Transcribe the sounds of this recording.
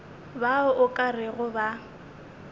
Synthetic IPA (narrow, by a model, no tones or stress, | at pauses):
baʊʔʊkʼarɪɣʊba